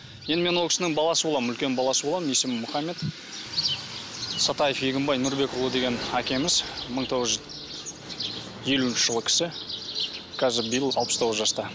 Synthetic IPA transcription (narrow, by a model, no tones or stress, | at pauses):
jend̪ɪme̞nwokʲɪsɪnɪŋbɑlˠɑsəbo̞lˠɑmʏlkʲe̞nbɑlˠɑsəbo̞lˠɑmmje̞sɪmmʊχɑmːe̞t̪ | sɑt̪ɑjəfjeɡʲɪmbɑjnʊɾbe̞kʊlˠud̪e̞ɡʲe̞nækʲe̞mɪzməɴt̪ʰo̞ʁəzʒ | je̞luɪnʃɪ̥ʒ̥əlˠəkʲʰɪ̥sɪ | kʰɑzɪbəjɪəlˠɑlˠpəst̪ʰo̞ʁzəʒɑst̪ɑ